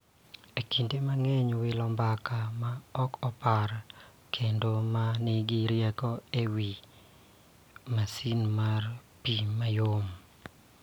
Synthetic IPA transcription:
ekʰindemaŋɛɲwɪlɔmbakamaɔkɔpaɾ | kʰendomanɪɡɪɾjɛkɔewi | masinmarpimajom

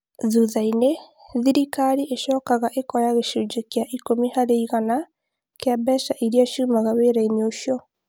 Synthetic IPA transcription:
ðuðaine | ðiɾikaɾiʔeʃɔːkaɣaʔekɔjaɣeʃud͡ʒekjaʔikomihaɾeiɣana | keabɛʃaʔiɾiaʃuːmaɣaweːɾaineoʃjɔ

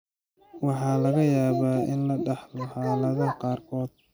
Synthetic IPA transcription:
wɑħɑːlɐɣɐjaːβaːɪnlɐɖɑħlɔhɑːlɐðɐqɑːrkʰɔːd̪

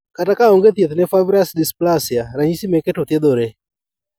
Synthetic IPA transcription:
katakaɔŋɡet̪jet̪nɛfabɾasdisplasjaɾaɲisimeketot̪jed̪oɾe

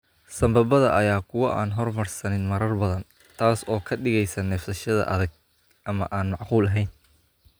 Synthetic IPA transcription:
sɐmbɐbɐðɐʔɐjaːkʰʊwɐʔa̰ːnɦɔrmɐrsɐnɪnmɐɾɐrbɐðɐn | t̪ʰaːsɔːkʰɐɖɪɣɛjsɐnɛːft̪ɐʃɐðɐ̰ʔɐðɐɡ̚ | ʔɐmɐ̰ʔaːnmɑʕquːlɐɦɛjn

